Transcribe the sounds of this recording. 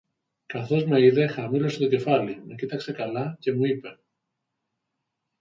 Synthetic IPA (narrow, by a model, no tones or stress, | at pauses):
kɐθo̞zme̞iðe̞xɐmilo̞set̪o̞ce̞fɐlime̞cit̪ɐkse̞kɐlɐce̞muipe̞